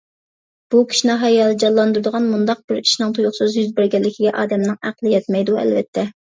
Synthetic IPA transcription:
b̥ukʲʰi̥ʃinɪɦɑjɑlˠɨd͡ʒɑlˠːɑnd̪uɾd̪ʊʁɑnmund̪ɑq̚bɪɾi̥ʃinɨŋt̪ʰujuχsɨzjyzbɪɾɡʲɛlːɪkʲʰiɡʲɛʔɑ̰ːd̪ɛmnɨŋæqlˠɨjɛt̪mɛjd̪uɛ̰lvɛ̰t̪ʰːɛ

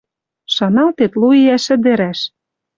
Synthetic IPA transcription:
ʃɑnɑlt̪et̪luiæʃɘ̆d̪ɘ̆ɾæʃ

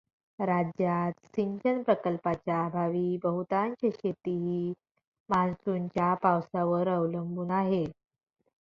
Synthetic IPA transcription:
ɾad͡ʑjat̪siɲd͡ʑənpɾəkəlpat͡ɕjabʱaʋiːbəɦut̪aɲt͡ɕeɕet̪iɦiː | mansuɲt͡ɕjapawsaʋəɾəwləmbuːnaɦe

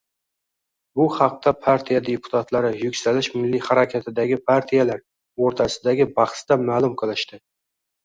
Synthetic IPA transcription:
bʊhɑq̚t̪ʰapʰaɾt̪ʰijad̪e̞pʰʊ̥t̪ʰat̪laɾɪjʊkʲsalɪʃmɪlːihaɾakʲʰat̪ʰɪd̪aɡʲɪpʰaɾt̪ʰijalaɾ | oɾt̪ʰasɪd̪aɡʲɪbɑχsd̪̥amaːlˠʊmqʰɨlˠɪʃt̪ɪ

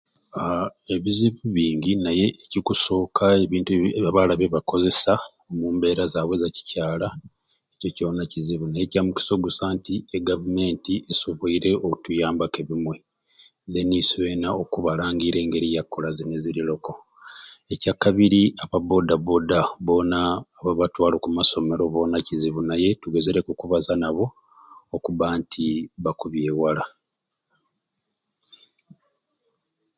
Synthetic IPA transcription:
eβiziβuβiːɲɟinaje̞ːcikuso̞ːkʰae̞βiːntuβaβalaβeβako̞ze̞sa | omuːmbe̞ːɾazaːβwe̞zaci̥caːla | eco̞conaciziβunajecamuci̥so̞ɡusaːntieɡavume̞ːntiʔesoβoiɾe̞okutujaːmbake̞βimwe̞ | ðeniswe̞ːnaokuβalaːŋɡiɾe̞ːŋɡe̞ɾijakːo̞lazineziɾilo̞ko̞ | e̞cakaβiɾiaβaβo̞daβo̞daβo̞naːβaβatwaːlo̞kumaso̞me̞ɾoβo̞ːnaciziβunaje̞tuɡe̞ze̞ɾe̞kukuβazanaβo̞ː | kuβaːntʰiβakuβje̞ːwala

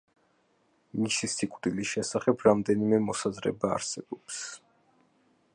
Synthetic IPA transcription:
niʃisikʼvd̪ilisʃɛsaχɛbʰɾamd̪ɛnimɛmɔsazɾɛ̰ba̰ːɾsɛbɔps

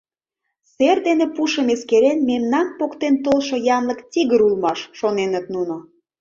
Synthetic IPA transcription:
serd̪enepuʃəmeskeɾenmemnɑnpokt̪ent̪olʃojɑnlə̆kt̪iɣəɾulmɑʃːonenət̪nuno

